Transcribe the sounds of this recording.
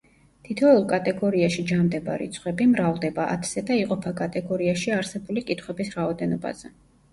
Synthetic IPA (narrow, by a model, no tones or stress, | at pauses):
t̪ʰit̪ʰɔɛlˠkʼat̪ʼɛɡɔɾiaʃid͡ʒamd̪ɛba̰ɾḭt̪sʰχwɛbimɾavlˠd̪ɛbaʔa̰t̪ʰsɛd̪aiqʼɔpʰakʼat̪ʼɛɡɔɾiaʃiaɾsɛbulikʼit̪ʰχwɛbisɾaɔd̪ɛnɔba̰z̥ɛ